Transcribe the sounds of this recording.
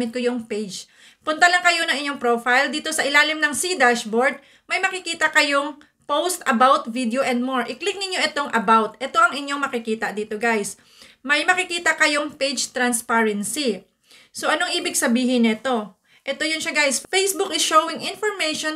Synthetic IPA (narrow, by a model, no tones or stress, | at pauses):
mɪt̪̚kojʊŋpejd͡ʒ | pʊnt̪ɐlɐŋkɐjo̞nɐŋɪɲːoŋpɾoːfajld̪iːt̪o̞sɐʔɪlaːlɪmnɐŋsid̪aʃboɹd̪̚ | mɐjmɐkɪkiːt̪ɐkɐjo̞ŋ | powst̪ʔɐbawt̪vid̪eoʔɛnd̪̚moɹʔɪklɪk̚nɪɲjo̞ʔɛt̪o̞ŋʔɐbawt̪ʔɛt̪o̞ʔɐŋɪɲːo̞ŋmɐkɪkiːt̪ɐd̪iːt̪o̞ɡajs | mɐjmɐkɪkiːt̪ɐkɐjo̞ŋpejd͡ʒt̪ɾɐnspaɹɛnsi | soʔɐnoŋʔiːbɪɡ̚sɐbiːɦɪnɛt̪o̞ | ʔɛt̪o̞jʊnʃaɡajsfejsbʊkɪʃowɪŋʔɪ̃nfoɹmɛjʃon